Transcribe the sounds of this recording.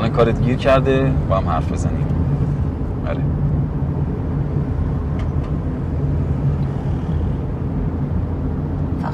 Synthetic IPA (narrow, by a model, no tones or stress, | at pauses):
nekʰɒːɾet̪ɟiːɾcʰæɾd̪eb̥ɒːhæmhæ̰ɾfbe̞zænḭːm | ʔɒ̰ɾe